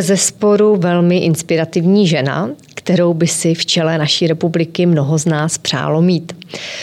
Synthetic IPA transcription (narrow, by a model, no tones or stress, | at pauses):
zɛspo̞ɾuvɛlmɪʔɪnspɪɾat̪ɪvɲiːʒɛna̰ | kt̪ɛɾo̞wbɪsɪft͡ʃɛlɛnaʃiːɾɛpublɪkɪmno̞ɦo̞znaːspr̝̥a̰ːlo̞miːt̪